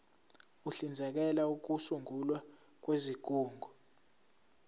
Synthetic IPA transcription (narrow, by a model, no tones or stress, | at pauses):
uɬind͡zʱɛk̬ɛlauk̬usuŋʱulwa | k̬wezik̬ʼuːŋɡʱɔ